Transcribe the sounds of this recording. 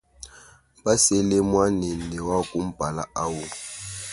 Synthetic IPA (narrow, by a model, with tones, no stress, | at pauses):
ba˦se˦le˦mwa˦nɛ˨nnɛ˨wa˦kʼu˦m̩˦b̥ʱa˨la̰˦a˦wu˦